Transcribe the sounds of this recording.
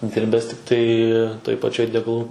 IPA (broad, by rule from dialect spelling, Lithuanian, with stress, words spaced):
ˈdʲɪrʲbʲɛs tʲɪkˈtɐɪ toːj pɐˈt͡ʃʲoːj dʲɛɡɐˈlˠuː